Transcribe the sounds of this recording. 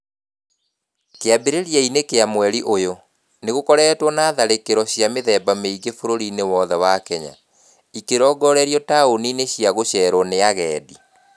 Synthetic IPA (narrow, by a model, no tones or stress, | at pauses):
keabeɾeɾjɛinekeamwɛɾiʔojo | neɣokɔɾɛːtwɔnaːðaɾekeɾɔɕjameðɛbameiɡefoɾoɾinewɔðɛwakɛɲa̰ | ikeɾɔːɡɔɾɛɾiɔtaonineɕiaɣoɕɛːɾɔneaɣɛːdi